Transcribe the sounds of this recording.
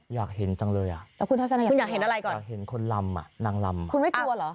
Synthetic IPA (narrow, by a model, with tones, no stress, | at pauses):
jaː˨˩k̚he˨˩˦nt͡ɕa˧ŋlɤː˧jʔa˨˩ʔ̪ɛː˨˦kʰu˧nt̪ʰa˥˩sa˧naː˧a˨u˧njaː˨k̚he˨˦nʔa˧ɾa˧jkɔː˨˩˨k̚he˩˦nkʰo˧nla˧mʔa̰˨˩ʔna˧ŋla˧mkʰu˧nma˥˩kʰuu˧ɐlɔː˩˦